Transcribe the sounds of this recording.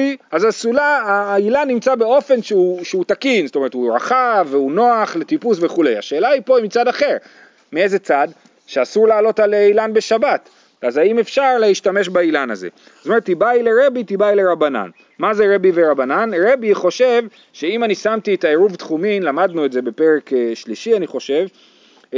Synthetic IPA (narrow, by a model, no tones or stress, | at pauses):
azasulaaːilanːimt͡sabe̞o̞fe̞nʃeuʃeut̪akinztome̞ʁet̪huʁa̰χaveuno̞aχletipusve̞χule̞jaʃeːlaipo̞imit͡sadaχe̞ʁ | miejze̞t͡sad̪ | ʃeasuʁlaːlo̞taleilanbe̞ʃabat̪ | azaime̞fʃaʁleiʃtame̞ʃbailanazḛ | tomeet̪ːibaile̞ʁe̞bit̪ibaile̞ʁabana̰n | mazeʁe̞biveʁabananʁe̞biχo̞ʃe̞v | ʃe̞imanisamt̪iet̪aeʁuvt̪χuminlamad̪nuetze̞be̞pe̞ʁe̞kʃliʃianiχo̞ʃe̞v